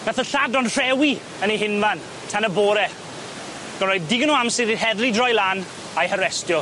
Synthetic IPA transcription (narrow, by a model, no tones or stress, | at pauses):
naθəɬadɔnr̥ɛwi | əneɦɪnvan | tʰanəboːɾɛ | ɡ̥ənrɔjd̚diɡənuamsɪðihɛðlidrɔjlˠan | ajhəɾɛstjɔ